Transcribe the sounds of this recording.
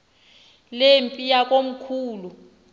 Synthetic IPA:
lempʼijak̬ʼom̩kʰuːlu

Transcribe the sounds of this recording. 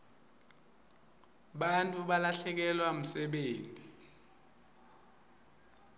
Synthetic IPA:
ɓantʼuɓalaɬɛk̬ɛlwam̩sɛɓeːntʼi

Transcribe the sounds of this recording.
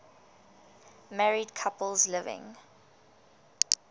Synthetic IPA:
mɛɹidkʰapəlzlɪvɪ̰̃ŋ

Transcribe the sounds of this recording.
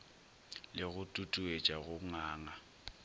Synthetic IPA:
lɪɣʊtʼutʼuet͡ʃʼaɣʊŋaːŋa

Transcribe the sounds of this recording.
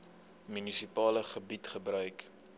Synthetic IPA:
mynisipɑːləχəbitχəbɾœɥk

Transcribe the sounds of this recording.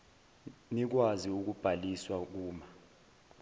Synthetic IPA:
nik̬waziuk̬ub̥ʱaliswak̬uːma

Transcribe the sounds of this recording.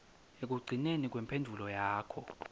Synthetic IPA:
ek̬uɡ͡ǀʱinenik̬wɛmpʰendʱulɔjaːkʰɔ

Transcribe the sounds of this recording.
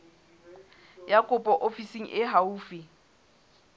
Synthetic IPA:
jakʼʊpʼɔʔofisiŋ̩ʔɪɦauːfi

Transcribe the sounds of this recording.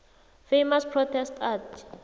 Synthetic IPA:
femaspʰrɔtʰɛstat

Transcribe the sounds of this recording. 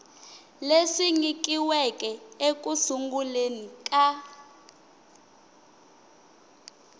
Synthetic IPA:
lesiŋik̬ʼiwɛk̬ʼɛek̬ʼusuŋɡulenikʼa

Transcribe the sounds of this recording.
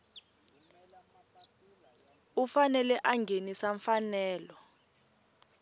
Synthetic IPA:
ufanɛlɛʔaŋɡʱenisaɱfanɛːlɔ

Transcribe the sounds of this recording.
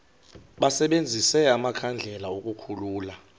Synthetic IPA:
ɓasɛɓend͡zʱisɛamakʰand͡ɮʱɛlaokʼukʰuluːla

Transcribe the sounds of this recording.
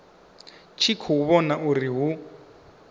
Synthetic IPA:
t͡ʃʰikʰɔuβɔnaʔuriɦu

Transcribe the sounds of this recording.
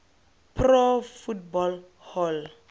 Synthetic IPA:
pʰrɔfutbɔl | hɔl

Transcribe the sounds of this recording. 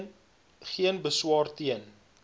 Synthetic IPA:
n | χiənbəswɑːrtiən

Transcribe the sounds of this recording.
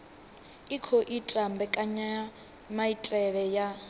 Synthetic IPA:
ikʰɔʔitʼambɛkʼaɲa | maitʼɛɺɛja

